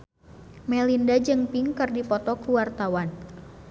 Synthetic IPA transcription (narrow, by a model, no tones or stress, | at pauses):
mɛlindad͡ʒɨŋpiŋkɨrdipɔt̪ɔkuwart̪awan